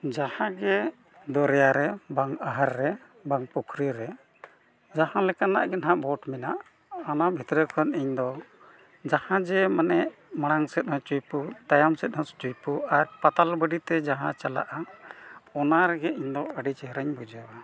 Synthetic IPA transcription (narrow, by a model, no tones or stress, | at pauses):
d͡ʒahãɡɛ | d̪ɔɾɛjaɾɛbaŋaɦaɾːɛ | baŋpukʰɾiɾɛ | d͡ʒahãlɛkana̰ʔɡɛnɦaʔbɔʈminaʔ | anabʱit̪ɾɛkʰɔniɲd̪ɔ | d͡ʒahãd͡ʒɛmanɛʔ | maɽ̃aŋsɛt̪̚hɔ̃t͡ʃujput̪ajamsɛt̪̚hɔ̃st͡ʃujpuaɾpat̪albəɖit̪ɛd͡ʒaɦã̰t͡ʃala̰ʔa | ɔnaɾɛɡɛiɲd̪ɔəɖit͡ʃɛɦɾɛɲbud͡ʒawa